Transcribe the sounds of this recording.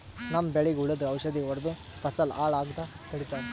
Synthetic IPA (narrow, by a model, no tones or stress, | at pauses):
nɐmːbeɭiɡuɭɐd̪ɾuɐwʃɐd̪iɔɾd̪u | pɐsɐlaːɭaːɡt̪a | kɐɽit̪aːɾe